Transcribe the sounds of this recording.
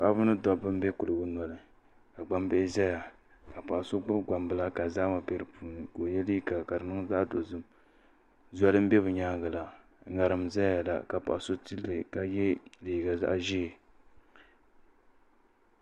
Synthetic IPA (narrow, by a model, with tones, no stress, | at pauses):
pa˦bʊ˦nɨ˦dɔ˨bɨ˦m˦bɛ˦kʊ˨lɨ˨ɡʊ˦nɔ˨lɨ˨ | ka˨ɡ͡ba˦m˦bɛ˦zɛ˦ja˨ | ka˨pa˨ʔa˨so˦ɡ͡bʊ˦bɡ͡ba˨mbɨ˨la˦ka˨za˦ma˨bɛ˦ɾɨ˨puː˦nɨ˨ko˨jɛ˦li˦i˦ka˨ka˨ɾɨ˨nɨ˦ŋ˦za˦ʔdo˨zɨ˦m | za˦dɨ˦m̩˦bɛ˦βɨ˨ɲaː˦ɡa˨la˨˦ | ŋa˨ɾɨ˨mza˦ja˨la̰˨ka˨pa̰˨ʔa˨so˦ti˦lːɨ˨ka˨jɛ˦liː˨ɡa˨za̰˦ʔʒi˦˨